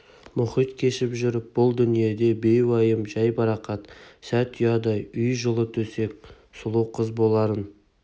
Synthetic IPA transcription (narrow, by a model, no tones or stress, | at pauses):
mʊχijt̪kʲʰe̞ʃɪpʒʏɾɪp̚bʊlˠd̪ʏnije̞d̪e̞be̞jwɑjəmʒɑjbɑɾɑqɑt̪sæt̪ʰijɑd̪ɑjʏjʒəlˠət̪ʰɵse̞k̚ʲ | sʊlˠəwqʰəzbo̞lˠɑɾən